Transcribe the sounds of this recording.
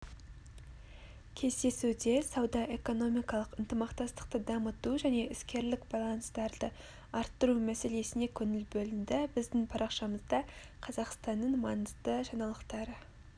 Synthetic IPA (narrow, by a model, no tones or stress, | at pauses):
kʲʰe̞zd̪e̞sud̪e̞sɑwd̪ɑʔe̞ko̞no̞mijkɑlˠəqənt̪əmɑqt̪ɑst̪ə̥q̚t̪əd̪ɑmət̪uʒæne̞ʔʏskʲe̞ɾlɪkbɑlˠɑnst̪ɑɾd̪ə | ɑɾt̪ːəɾumæse̞le̞sɪne̞kʲʰʏnɪlbɵlɪnd̪ɪbɪzd̪ɪŋpʰɑɾʔɑqʃɑməzd̪ɑ | qʰɑzɑqst̪ɑnːəɴmɑnəzd̪əʒɑnɑlˠəqt̪ɑɾə